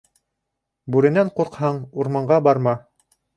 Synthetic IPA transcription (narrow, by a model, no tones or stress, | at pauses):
bʉɾɘ̆næɴquɾqhɑɴuɾmɑɴɢɑbɑɾmɑ